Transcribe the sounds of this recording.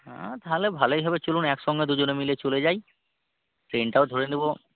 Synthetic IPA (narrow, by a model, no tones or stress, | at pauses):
ã̰t̪aɦolɛbʱalojɦabɛt͡ɕolunɛksɔŋɡɛd̪ud͡ʑonemilet͡ɕolezaj | ʈɹenʈaod̪ʱoɹenibɔ